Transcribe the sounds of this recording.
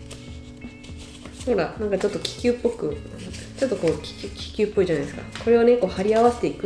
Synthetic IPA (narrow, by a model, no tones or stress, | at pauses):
ho̞ɾanãŋkat͡ɕo̞t̪ːokʲi̥kʲɨːpːo̞kɯ̟ | t͡ɕo̞t̪ːo̞ko̞ːkʲi̥kʲi̥kʲɨːpːo̞iʑanaisɨ̥ka̰ko̞ɾe̞ane̞ko̞ːhaɾʲiaβase̞̥t̪e̞ikɯ